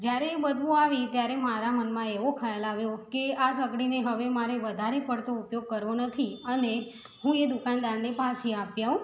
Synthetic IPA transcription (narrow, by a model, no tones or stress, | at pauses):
d͡ʒjaɾeːbədʋũaʋit̪jaɾemaɾamənmãeʋokʰaelaʋjokeasəkɽineɦəʋemaɾeʋəd̪ʱaɾepəɽt̪oupjoɡ̚kəɾʋonət̪ʰiəne | hũed̪ukand̪aɳɖepãt͡ʃʰiapjaũ